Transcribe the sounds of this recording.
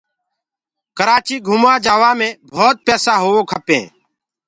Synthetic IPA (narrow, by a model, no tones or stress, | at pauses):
kəɾaːt͡ʃiːɡʱuːmaːd͡ʒaːʋaːmẽːbʱoːt̪̚pɛːsaːɦoːoːkʰəpẽː